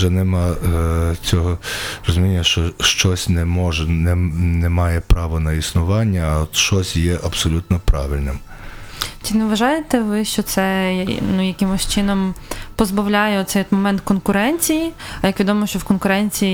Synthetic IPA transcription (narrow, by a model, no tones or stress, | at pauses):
ʒɛnɛmɑ | t͡sʲɔɦɔrɔzʊmʲinʲːɐʃt͡ʃɔʃt͡ʃɔsʲnɛmɔʒɛnɛnɛmɑjɛpɾɑʋɔnɐisnʊʋɑnʲːɐɔt̪ʃt͡ʃɔsʲjɛʔɐb̥sɔlʲut̪nɔpɾɑ̰ʋɪlʲnɪm | t͡ʃinɛʋɐʒɑjet̪ɛʋɪʃt͡ʃɔt̪sɛnnujɐkɪmʊsʲt͡ʃɪnɔmpɔzbɐwlʲajɛɔt̪sɛjɔt̪mɔmɛnt̪kɔnkʊɾɛnʲt͡sʲijiɐjɐkʋʲid̪ɔmɔʃt͡ʃɔwkɔnkʊɾɛnʲt͡sʲiji